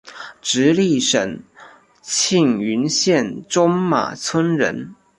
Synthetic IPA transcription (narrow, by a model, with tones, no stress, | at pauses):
ʈ͡ʂɻ̩˧˥li˥˩ʂə˨˩ŋ | t͡ɕʰi˥˩ŋy˧˥nɕjɛ˥˩nʈ͡ʂʊ˥ŋma̰˨˩t͡sʰwə˥nɻə̰˧˥n